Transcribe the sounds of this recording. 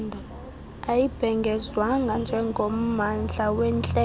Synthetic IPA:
ndʱɔ | ajib̥ʱɛŋɡʱɛzwaŋand͡ʒʱɛŋɡʱom̩mand͡ɮʱawɛnt͡ɬʼɛ

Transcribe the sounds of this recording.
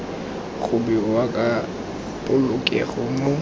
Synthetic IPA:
ɣʊbiwakʼa | pʼʊlʊkʼḛɣʊmʊ

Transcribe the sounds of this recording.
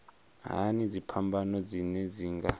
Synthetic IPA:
ɦa̰nid͡zipʰambanɔd͡zinɛd͡ziːŋɡa

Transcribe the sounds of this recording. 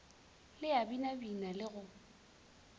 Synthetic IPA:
lɪabinabinalɪɣʊ

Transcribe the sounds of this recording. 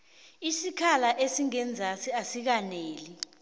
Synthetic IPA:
isikʰalaʔesiŋɛnd͡zʱasiasik̬aneːli

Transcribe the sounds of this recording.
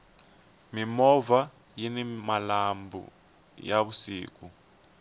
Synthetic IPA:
mimɔva | jinimalambʱṵ | jaβusḭːk̬u

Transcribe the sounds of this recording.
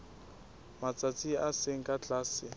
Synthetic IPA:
mat͡sʼat͡sʼiaseŋ̩kʼat͡ɬʼaːsɪ

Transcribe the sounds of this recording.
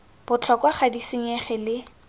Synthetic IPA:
b̥ʊt͡ɬʰɔkwaχadisiɲɛχɛlɪ

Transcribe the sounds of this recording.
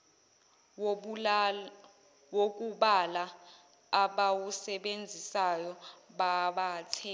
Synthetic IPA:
wok̬ʼuɓala | aɓawusɛɓend͡zʱisajɔɓaɓaːt͡sʰɛ

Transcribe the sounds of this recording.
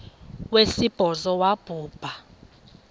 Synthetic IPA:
wesib̥ʱɔzɔwab̥ʱuːb̥ʱa

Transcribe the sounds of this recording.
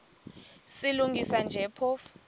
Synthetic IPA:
siluŋɡisand͡ʒʱɛpʰɔf

